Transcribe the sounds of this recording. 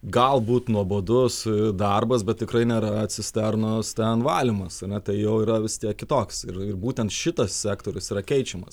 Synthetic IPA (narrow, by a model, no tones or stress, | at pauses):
ɡɐlˠbuːt̪nuɔboːd̪ʊsɪd̪ɐrbɐsbʲɛt̪̚tʲɪkɾɐɪnʲeːɾɐɐt̪ʲsʲɪsʲt̪ʲɛrnʊst̪ʲɛnʋɑːlʲɪmɐsɐnʲɛt̪ɐɪjɛʊiːɾɐʋʲɪst̪ʲiɛkkʲɪt̪oːksɪrɪrbuːt̪ʲɛnt̪ʃʲɪt̪ɐssʲæːkt̪oːɾʲʊsiːɾɐkʲɛɪt͡ʃʲɛmɐ̰s